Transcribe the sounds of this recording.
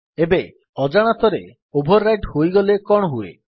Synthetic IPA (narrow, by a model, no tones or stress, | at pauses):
ebe | ɔd͡ʒaɽ̃at̪ɔɾe | obʱɔɾːajʈhojɡɔlekɔɽ̃ɔɦuḛ